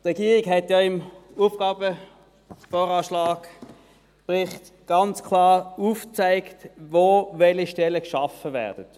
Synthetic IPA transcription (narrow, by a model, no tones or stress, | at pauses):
tʁɛɡiːʁɪkɦɛtjaɪmuːfɡ̥ɑːbə | foːʁɑːʃlɑːɡ | pʁɪχt | ɡ̥ɑnt͡skʰlɑːʁuːft͡saɪktvoːvɛliʃtɛləkʃɑfəvɛ̰ːɐd̥ət